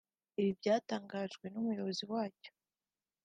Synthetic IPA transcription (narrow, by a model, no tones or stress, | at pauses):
iβibɟaːtaːŋɡaːʒɡwe̞numujo̞βo̞ziwaːco̥